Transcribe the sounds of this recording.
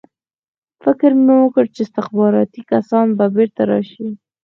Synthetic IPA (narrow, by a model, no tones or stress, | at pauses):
fɪkɾmewəkəɽt͡ʃeɪst̪ɪxbɑɾɑt̪ikasɑnbabeɾt̪aɾɑ̰ʃi